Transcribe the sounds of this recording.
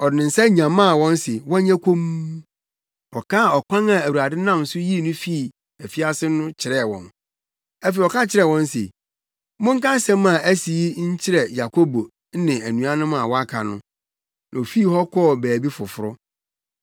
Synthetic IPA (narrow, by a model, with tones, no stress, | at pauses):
ɔ˨dɪ˨nɪ̃˨n̩˨sɛ˦ɲã˨mã˦˨wɔ̃˦n˦sɪ˨wɔ̃˦ɲã˦kʰo˦m˦ | ɔ˨kʰaː˦˨ɔ˨kʷã˦ŋã˨æ˨wu˨ɾa˨dɪ˦nã˦˨m˨sʊ˦ji˦˨nʊ̃˦fi˦˨ | æ˨fi˦a˦sɪ˦nʊ̃˦t͡ɕʰɪ˨ɾɛ˦˨wɔ̰̃˨n | æ˦fe˨ɔ˨ka˦t͡ɕʰɪ˦ɾɛ˨wɔ̃˦n˦sḛ˨ | mʊ̃˦ŋ̩˦ka˦sɛ̃˦mã˨ʔæ˦si˨i˦ɲ̩˦t͡ɕʰɪ˦ɾɛ˨ja˨kʰo˦bo˨˦ | nɪ̃˨æ˨nũ˨a˦nʊ̃˦mã˨wɔ˦a˦kʰa˨nʊ̃˦ | nã˨o˨fi˦˨hɔ˦kʰɔ˦˨bæː˨bi˦fʊ˨fʊ˨ɾʊ˦